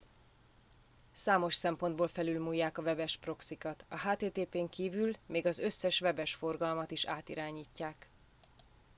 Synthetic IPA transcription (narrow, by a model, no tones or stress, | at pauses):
saːmo̞ʃsɛmpond̪boːlfɛlylmuːjːaːkɒvɛbɛʃpro̞ksikɒt̪ɒɦaːt̪eːt̪eːpeːŋkiːvylmeːɡɒzø̞sːɛʃvɛbɛʃfo̞rɡɒlmɒt̪iʃaːt̪ḭɾaːɲiːcːaːk